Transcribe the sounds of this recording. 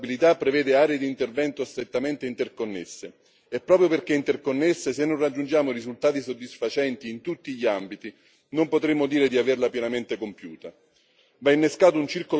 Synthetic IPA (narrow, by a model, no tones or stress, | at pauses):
bilit̪apːɾevɛːd̪eaːɾeed̪int̪ervɛnt̪ost̪ɾet̪ːament̪eint̪erkonːesːe | ɛpːɾɔːpɾjoperkeint̪erkonːesːesenːonrad͡ʒːund͡ʒaːmorizult̪aːt̪isod̪ːisfat͡ʃɛnt̪iːnt̪ut̪ːiʎiambit̪i | nompot̪ɾemːod̪iːɾed̪iaverlapjɛnament̪ekompjuːt̪a | vainːeskaːt̪ount͡ʃirko